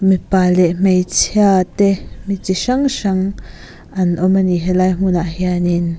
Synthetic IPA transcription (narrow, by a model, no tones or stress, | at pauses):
mipalɛʔm̥ejt͡sʰjat̪ɛmit͡siʃaŋʃaŋ | ʔɐnʔɔmaniɦɛlajm̥unaʔhjanin